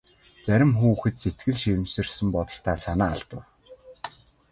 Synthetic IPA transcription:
t͡sæɾʲɪ̆mxuːxɘ̆t̪set̪ɡɘ̆ɮʃiwɘ̆msɘ̆rsɘ̆mpɔt̪ɞ̆ɬt̪ʰaːsanaːaɮt̪ə̆w

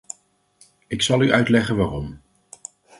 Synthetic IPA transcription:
ɪksɑlˠyʔœɥtlɛχənʋaːrɔm

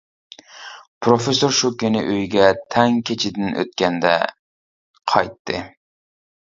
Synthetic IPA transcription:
pʰɾofesoɾʃukʲenɪ̰ʔøjɡʲɛt̪ʰɛŋkʲʰet͡ʃʰɪd̪ɪnʔø̰t̪̚kʲɛnd̪ɛ̰ | qʰɑjt̪ʰːɨ̰

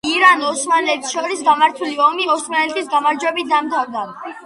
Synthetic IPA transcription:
iɾanɔsmanlɛt̪ʃɔɾisɡamaɾt̪ʰuliɔmiɔsmanɛt̪ʼisɡamaɾd͡ʒwɛbit̪̚ʰd̪amt̪ʰaɾd̪a

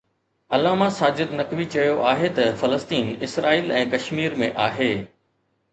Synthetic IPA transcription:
ɐlaːmasaːd͡ʑɪd̪nɐkʋit͡ɕɐjoʔaːɦet̪ɐfɐləst̪iːnɪsɾaːiːlɛ̃ːkɐʃmiːɾmẽʔaːɦeː

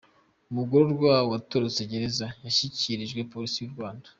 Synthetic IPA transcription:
umuɡoɾoɾɡwawatoɾose̞ɟe̞ɾezajaʃiciɾiʒɡwe̞po̞ɾisijuɾɡwaːndḁ

